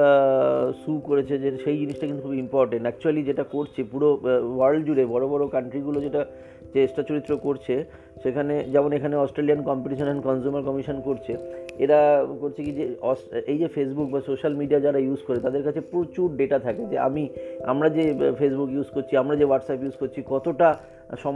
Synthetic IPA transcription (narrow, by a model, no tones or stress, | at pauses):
sukoɾet͡ɕʰed͡ʑeʃejd͡ʑiniʃʈakint̪ukʰubimpɔɾʈeɳʈɛk̚t͡ɕualid͡ʑeʈakoɾt͡ɕʰepuɾowaɾlɖd͡ʑuɽebɔɾobɔɾokaɳʈɾiɡulod͡ʑeʈa | t͡ʃesʈat͡ɕoɾit̪ːɾokoɾt͡ɕʰe | ʃekʰaned͡ʑɛmonekʰaneɔsʈɾeliankɔmpeʈiʃonnkɔnd͡ʑumaɾkɔmiʃonkoɾt͡ɕʰeeʈakoɾt͡ɕʰikid͡ʑeɔsejd͡ʑefes̬buk̚basoʃalmiɖiad͡ʑaɾajuzkoɾet̪ad̪eɾkat͡ɕʰepɾot͡ɕuɾɖeʈat̪ʰaked͡ʑea̰mia̰mɾad͡ʑefesbukjuzkoɾt͡ɕʰiamɾad͡ʑewaʈsapjuzkoɾt͡ɕʰikɔt̪oʈa | ʃɔ